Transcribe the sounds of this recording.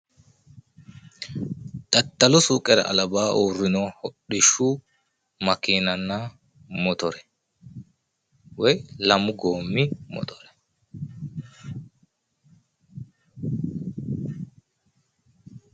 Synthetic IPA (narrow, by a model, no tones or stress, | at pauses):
t̪ʼɐt̪ːɐlʊsuːkʼɛɾɐ̰ɐ̰lɐbaːʔuːrːɪnoːhɔɗɪʃuː | mɐkiːnɐnːaː | mɔt̪ɔɾɛ̥ | wɛjlɐmʊɡoːmːimɔ̰t̪ɔ̥ɾɛ̥